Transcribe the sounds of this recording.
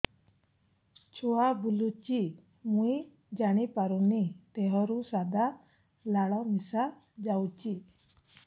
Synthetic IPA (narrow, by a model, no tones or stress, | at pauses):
t͡ʃʰuabulut͡ʃi | muj | d͡ʒaɽ̃ipaɾunit̪ɛɦɔɾusad̪a | laɽɔmisa | d͡ʒawt͡ʃi